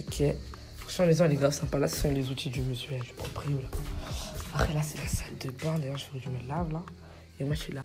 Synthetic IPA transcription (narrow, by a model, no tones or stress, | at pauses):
okʲʰɛ | fɔsmɑ̃lezɑ̃leɡʁavsɛ̃palasə̥sɔ̃lezut̪id̪ymyzyɛld̪y̥pχɔpχiula | apχɛlasɛlasald̪əbãd̪ajɛʁʒəfɛʒimɛlavla | emwaʃɛla